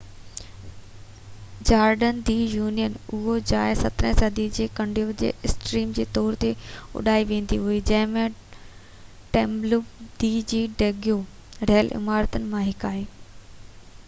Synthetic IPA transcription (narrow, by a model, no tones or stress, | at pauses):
d͡ʑaːɾɖənd̪iːjuːnijənʊɦod͡ʑaːɪsɐt̪ɾə̃sɐd̪id͡ʑeːkɐ̃ɳɖiod͡ʑḛːɪsʈɾiːmd͡ʑeːt̪ɔːɾt̪eʊ̰ɗaːiʋẽːn̆d̪iɦuid͡ʑɐ̃ɦɪ̃mẽ | ʈẽːmblud̪iːd͡ʑiːɖeːɡijo | ɾeɦəlʔɪ̰maːɾət̪ənɪ̆mãɦɪkaːiː